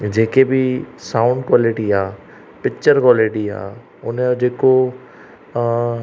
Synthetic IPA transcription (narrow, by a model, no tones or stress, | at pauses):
d͡ʒeːkebʱisaːʊ̃ɳɖkwaːlɪʈiaː | pɪk̚t͡ʃəɾkwaːlɪʈia̰ː | ʊnd͡ʒeːko